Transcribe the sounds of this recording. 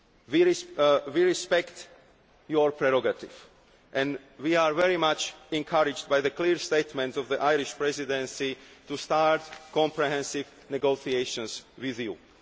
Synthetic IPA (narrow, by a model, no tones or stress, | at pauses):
wiɹiwiɹispɛkt | jɔɹpɾɛɾɔɡat̪iv | ʔɛ̃n | wiaːɹvɛɹimat͡ʃɛ̃ŋkʰaɾɪd͡ʒd̚bajðəkliːɹst̪eɪt̪mɛ̃ntsɔvðiʔajɾiʃpɹɛzidɛ̃nsit̪ust̪aɹtkɔ̃mpɹɛɦɛ̃nsiv | nɛɡosieʃɔ̃nswiðjṵ